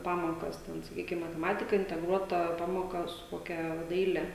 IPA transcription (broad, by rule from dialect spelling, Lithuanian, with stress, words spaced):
ˈpɑːmoːkɐs ˈtʲɛn sɐˈkʲiːkʲɪm mɐtʲɛˈmɑːtʲɪkɐ ɪnʲtʲɛˈɡruɔtɐ ˈpɑːmoːˌkɐ sʊ koːˈkʲɛ ˈdɐɪlʲɛ